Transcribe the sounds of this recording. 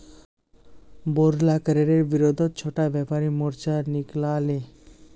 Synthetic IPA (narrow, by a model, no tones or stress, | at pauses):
boɾlakɾeɾeɾbiɾod̪ʱot̪t͡ɕʰoʈabɛpaɾimoɾt͡ɕaniklale